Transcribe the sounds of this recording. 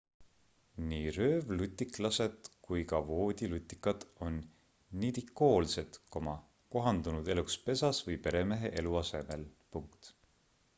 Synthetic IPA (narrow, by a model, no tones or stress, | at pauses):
niːrø̞ːvlyt̪ʲːˑiklɑse̞d̪̥kujkɑvo̞ːd̪̥ʲilut̪ʲˑːikːˑɑd̪̥o̞nː | it̪ikːˑo̞ːlse̞t̪ko̞mɑ | ko̞ɦɑnd̪unud̪e̞lukspe̞sɑsvɤjpe̞ɾe̞me̞ɦe̞ʔe̞luɑse̞me̞lpuŋkt̪